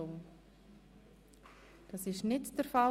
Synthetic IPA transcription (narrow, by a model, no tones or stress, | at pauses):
oː | d̥ɑsɪʃnɪtd̥əɾfɑ